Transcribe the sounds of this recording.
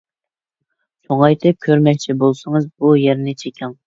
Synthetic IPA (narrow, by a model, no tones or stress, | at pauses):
sʰoŋɑjt̪ʰɨp̚kʲʰøɾmɛk̚ʲt͡ʃʰibolˠsɨŋɨzbujɛɾnɪt͡ʃʰekʲʰɛŋ